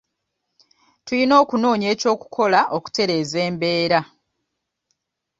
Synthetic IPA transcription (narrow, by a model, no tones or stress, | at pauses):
tulino̞ːkuno̞ːɲe̞ːco̞ːku̥kʰo̞laʔo̞ku̥te̞ɾe̞ːze̞ːmbe̞ːɾa